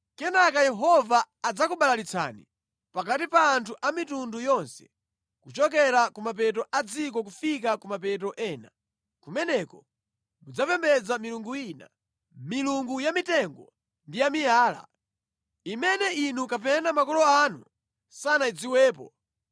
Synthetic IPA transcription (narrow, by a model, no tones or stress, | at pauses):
kɛnakajɛɦɔvaː | d͡zakuɓalalit͡sʰa̰ni | pak̬atipaːntʰuʔamitundujɔnsɛ̥ | kut͡ʃɔk̬ɛɾakumap̬ɛt̬ɔʔad͡zik̬ɔk̬ufik̬akumapɛt̬ɔʔɛːna | kumɛnɛkɔ | mud͡zapɛmbɛd͡zamiluŋɡuina̰ | miluŋɡujamitɛŋɡɔ | ndijamijaːla̰ | imɛnɛinukapɛnamakɔlɔanu | sanaid͡ziwɛːpɔ